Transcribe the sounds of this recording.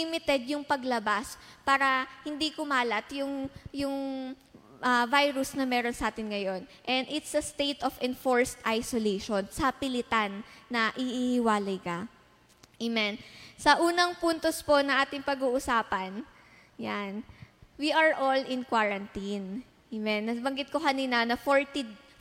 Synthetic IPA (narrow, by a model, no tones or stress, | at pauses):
imɪt̪ɛd̪jʊŋpɐɡlɐbaspaːɾɐhɪnd̪ikʊmaːlɐt̪jʊŋjʊŋ | ʔɐvajɾʊsnɐmɛːɾonsɐʔaːt̪ɪnŋɐjo̞nʔɛnd̪ɪt̪sɐst̪ejt̪ofɛnfo̞ɹst̪ʔajsolejʃonsɐpɪlɪt̪anːɐʔɪʔihɪwaːlɐjkɐ | ʔimɛnsɐʔuːnɐŋpunt̪ospo̞nɐŋʔaːt̪ɪŋpɐɡuːʔʊsaːpɐn | janwiʔɐɹʔolɪ̃nkwaɹɐnt̪in | ʔimɛnːɐbɐŋɡɪt̪̚ko̞kɐniːnɐnɐfoɹt̪id̪